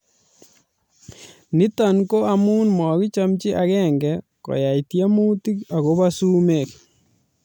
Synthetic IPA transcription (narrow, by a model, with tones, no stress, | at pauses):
ni˦ta˨nko˦amu˦nmɔ˨ki˦t͡ʃamt͡ʃɪ˦ʔakɛŋɡɛ | kɔ̰˨jaitja˦mu˦ti˦ka˨ɣo˦basu˦mek